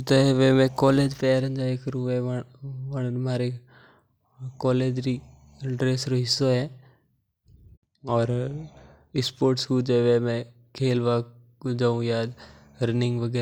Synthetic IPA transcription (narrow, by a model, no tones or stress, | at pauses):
t̪ɐɦʋemẽːkɔːleːd͡ʒpɛːɾə̃nd͡ʒoeːkɾuʋeʋəɳnmaːɾe | kɔːleːd͡ʒɾi | ɖɾeːsɾoɦɪsoɦɛː | ɔːɾ | ɪspoːɾʈsɦuːd͡ʒeːʋemẽ | kʰeːlʋaː | d͡ʒaũjaːd̪ | ɾɪnɪ̃ŋɡʋəɡɛː